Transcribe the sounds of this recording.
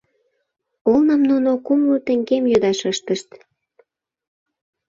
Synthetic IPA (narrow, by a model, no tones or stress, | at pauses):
olnəmnunokumlut̪əŋɡemjød̪ɑʃəʃt̪əʃt̪